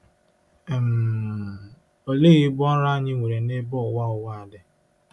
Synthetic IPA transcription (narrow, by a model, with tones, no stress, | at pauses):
m̩˨ | o˨le˦ɣi˦bʊ˦ɔ˦ɾa˦a˦ɲɪ˦ŋʷe˨ɾe˨ne˦bɔ˦˨wa˦ʊ˦wa˦˨a˨dɪ˦